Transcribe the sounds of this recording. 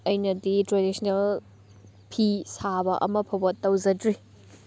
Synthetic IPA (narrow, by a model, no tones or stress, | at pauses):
ɐjnɐditɾadisʰnel | pʰisabɐʔɐ̰mɐpʰɐbɐtːɐwzɐdɾi